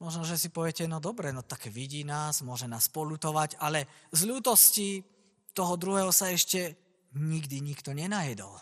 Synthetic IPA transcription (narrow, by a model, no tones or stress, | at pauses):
mɔʒnɔʒɛsipɔʋɛcɛnɔd̪ɔbɾɛnɔt̪akɛʋiɟiːnaːsmʊɔʒɛnaːspɔlut̪ɔʋaɟalɛzluːt̪ɔsci | t̪ɔɦɔd̪ɾuɦɛːɦɔsaɛʃcɛ | ɲiɡd̪iɲikt̪ɔɲɛnajɛd̪ɔ̰l